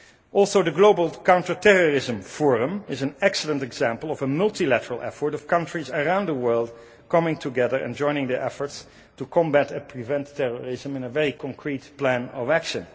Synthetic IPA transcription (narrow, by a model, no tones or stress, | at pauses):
ʔɔlˠsoʊðəɡloʊbəl̩ˠkãʊ̃ntə˞tʰɛɹɔɹɪzə̃mfɔɹə̃mɪzɨ̃nɛksəlˠə̃ntɛɡz̥æ̃mpəlˠɔvəmʌlˠtilætəɹəlˠʔɛ̰fə˞ɾʌv̥kʌ̃ntɹ̥izəɹãʊ̃ndðəwɜ˞lˠd | kʰʌmɪ̃ŋtʰuɡɛðə˞ʔɨ̰̃nd͡ʒɔ̃ɪ̃nɪ̃ŋðəʔɛfə˞ts | tukʰɔ̃mbætɨpʰɹivɛ̃ntʰːɛɹɔɹɪzə̃mɪ̃nəvɛɹikʰɔ̃ŋkʰɹitplæ̃nɔvækʃə̃n